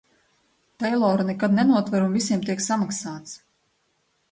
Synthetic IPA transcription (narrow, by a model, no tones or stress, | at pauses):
t̪ɛjlˠɔːɾnɛkad̪nɛnuɔt̪vaɾumvisiɛmt̪iɛksamaksaːt̪s